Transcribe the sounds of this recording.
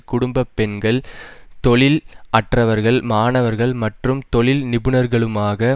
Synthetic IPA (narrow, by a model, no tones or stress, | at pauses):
kʊɽʊmbɐpːɛnɡɐɭt̪ɔɭɪlɐʈrɐʋɐɾɣɐɭmaːɳɐʋɐɾɣɐɭmɐʈrɯmt̪ɔɭɪlnɪbɯnɐɾɣɐɭɯmaːɣɐ